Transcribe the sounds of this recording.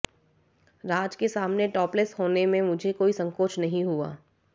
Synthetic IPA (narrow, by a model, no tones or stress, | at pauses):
ɾaːd͡ʒkesaːmneʈɔːplesɦoːnemẽmʊd͡ʒʱekoːisɐ̃ŋkoːt͡ʃnɐɦĩɦua̰ː